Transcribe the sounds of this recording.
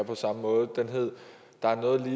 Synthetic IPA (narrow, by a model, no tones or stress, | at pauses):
ɐpʰɒ̽sɑ̈məmɔ̽ːð̞̩ˠd̥enɦe̝ð̞̰ˠ | d̥ɑ̈æɐnɔ̽ːð̩ˠliː